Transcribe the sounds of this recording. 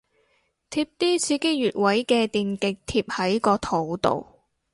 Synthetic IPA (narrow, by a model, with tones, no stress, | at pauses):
t̪ʰiː˧˥p̚t̪iː˥t͡sʰiː˨˥ke˥jyː˨˩t̚wɐ˨˥jkɛː˧t̪iː˨nkɪ˨k̚t̪ʰiː˧p̚hɐ˨˥jkɔː˧t̪ʰo˨˥wt̪o̰˨w